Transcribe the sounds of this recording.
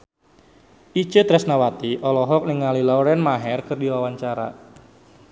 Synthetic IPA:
ʔit͡ʃət̪ɾɛsnawat̪iʔɔlɔɦɔk̚nɪŋalilawɾɛnmaɦɛrkərdiwawaɲt͡ʃaɾa̰

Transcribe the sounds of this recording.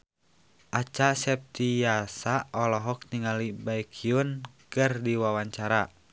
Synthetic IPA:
ʔat͡ʃasɛp̚t̪ijasaɔlɔɦɔk̚niŋalibaikʰiunkɨrdiwawaɲt͡ʃaɾa

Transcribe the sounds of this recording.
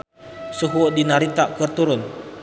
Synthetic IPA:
suɦudinaɾit̪aʔkərt̪uɾʊn

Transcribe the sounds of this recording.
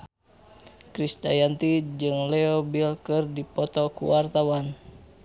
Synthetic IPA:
kɾisda̰jant̪id͡ʒɨŋlɛobilkɨrdipɔt̪ɔkṵwart̪awan

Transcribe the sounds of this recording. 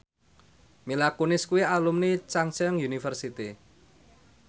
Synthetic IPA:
milakunɪskuwialumnit͡ʃaŋt͡ʃəŋjunifərsit̪i

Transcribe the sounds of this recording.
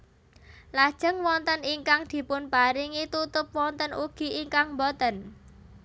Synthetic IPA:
lad̥ʒ̥ə̤ŋwɔnt̪əniŋkaŋd̪̥i̤pʊnpaɾiŋit̪ut̪ʊp̚wɔnt̪ənʔuɡ̥i̤ʔiŋkaŋmbot̪ən

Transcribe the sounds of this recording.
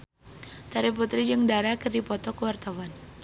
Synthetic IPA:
t̪aɾiput̪ɾid͡ʒɨŋdaɾakɨrdipɔt̪ɔkəwart̪awan

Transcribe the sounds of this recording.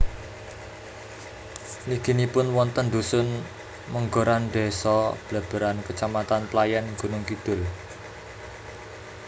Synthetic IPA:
liɡ̥i̤nipʊnwɔnt̪ənd̪ṳsʊn | məŋɡoɾanɖ̪esɔb̥la̤b̥ə̤ɾankət͡ʃamat̪anplajanɡ̥unʊŋkid̪̥ʊ̤l

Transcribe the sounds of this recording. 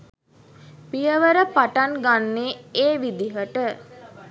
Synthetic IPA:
pijəʋəɾəpaʈanɡanːeːeːʋid̪iɦəʈə

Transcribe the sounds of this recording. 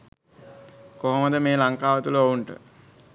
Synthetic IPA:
koɦoməd̪əmeːlaŋkaːʋət̪uləouɳʈə̰

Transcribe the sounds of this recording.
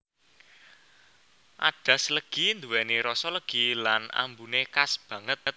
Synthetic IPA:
ʔa̰ɖ̥ä̤sləɡ̥i̤nd̪uwɛneɾɔsɔləɡ̥ilana̰mbunekasb̥ä̤ŋət̪̚

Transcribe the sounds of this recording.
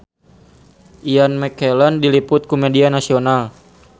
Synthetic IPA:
ʔianmɛkɛlɔndilipʊt̪̚kumedianasional

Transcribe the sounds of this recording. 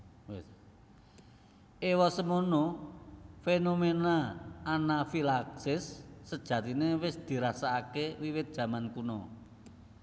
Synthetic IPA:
ewɔsəmono | fenomenaːnafilaksɪsːəd̥ʒ̥ä̤t̪inewɪsd̪̥i̤ɾasaːkewiwɪt̪̚d̥ʒ̥ä̤mankunɔ

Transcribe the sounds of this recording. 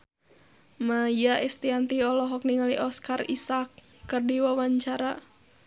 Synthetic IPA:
majjaʔɛst̪iant̪iɔlɔɦɔk̚niŋaliʔɔskarisakː | ɨrdiwawaɲt͡ʃaɾa

